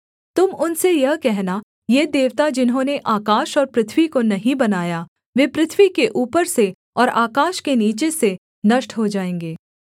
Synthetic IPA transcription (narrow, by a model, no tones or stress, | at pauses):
t̪ʊmʊnsejɐɦkɛɦna | jed̪eːʋt̪ad͡ʒɪnɦõːneʔaːkaːʃɔːɾpɾɪt̪ʰʋikonɐɦĩbɐnaːja | ʋeːpɾɪt̪ʰʋikeʔuːpəɾse | ɔːɾaːkaːʃkeniːt͡ʃese | nɐʃʈɦod͡ʒaːẽːŋɡeː